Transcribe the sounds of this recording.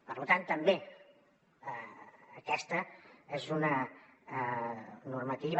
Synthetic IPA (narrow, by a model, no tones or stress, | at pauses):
pə̰ɾlut̪ant̪əmbe | əːkɛst̪əezunə | nuɾmət̪iβ